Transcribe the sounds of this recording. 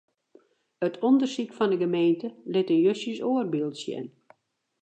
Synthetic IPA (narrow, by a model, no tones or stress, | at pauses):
ətʰɔndərsikfɔndəɡəmeːntəlɪtənjøsəsoərbilˠtsjɛ̰n